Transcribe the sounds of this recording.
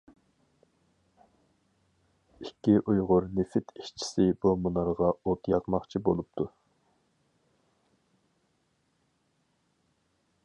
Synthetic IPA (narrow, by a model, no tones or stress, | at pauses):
ikʲːiʔujʁʊɾnɪfɪt̪ʰiʃt͡ʃʰi̥sɪbumunɑɾʁɑot̪jɑqmɑχt͡ʃʰibolˠup̚t̪ʰu